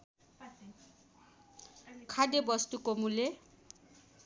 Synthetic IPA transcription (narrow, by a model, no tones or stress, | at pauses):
kʰad̪ebɔst̪ukomule